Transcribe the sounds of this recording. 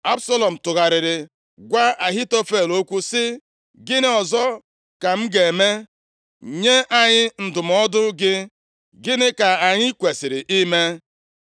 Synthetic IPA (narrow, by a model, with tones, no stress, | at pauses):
a˦bsa˦lɔ˨m̩˨tʊ˨ɣa˨ɾɪ˨ɾɪ˨ | ɡʷa˦a˨ɦɪ˦to˦fe˦˨lo˦kʷu˦sɪ˦ | ɡɪ˦nɪ˦ɔ˨zɔ˦ | ka˨m̩˦ɡe˨me˦˨ | ɲe˦ʔa˦ɲɪ˦n̩˨dʊ˨m̩˨ɔ˦dʊ˦ɡɪ˦ | ɡɪ˦nɪ˦ka˨a˨ɲɪ˦kʷe˨sɪ˨ɾɪ˨ʔi˦me˦